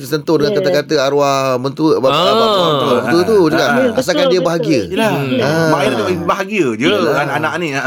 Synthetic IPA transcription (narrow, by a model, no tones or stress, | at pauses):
t̪əsənt̪ʊʔdəŋankat̪akat̪əaɾuahbənt̪ubaaənt̪abət̪uət̪ud͡ʒuɡaʔas̬akandiəbaɦaɡiəlaəbaiat̪aibaɦaɡiəd͡ʒəaanãʔnĩ